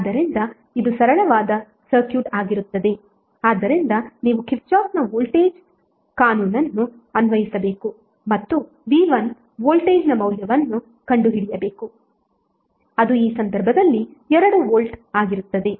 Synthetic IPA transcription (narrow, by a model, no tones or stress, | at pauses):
aːd̪ɐɾind̪ɐ | id̪usɐɾɐɭɐʋaːd̪ɐ | sɐɾkjuːʈaːɡiɾut̪ːɐd̪e̞ | aːd̪ːɐɾind̪ɐniːʋukiɾt͡ʃaːpnɐʋoːlʈeːd͡ʒ | kaːnuːnɐnːu | ɐnʋɐjisɐbe̞ːku | mɐt̪ːu | ʋiːʋɐn | ʋoːlʈeːd͡ʒnɐmɐwljɐʋɐnːu | kɐɳɖuɦiɽijɐbe̞ːku | ɐd̪uiːsɐnd̪ɐɾbʱɐd̪ɐlːiɛɾɐɽuʋoːlʈaːɡiɾut̪ːɐd̪e̞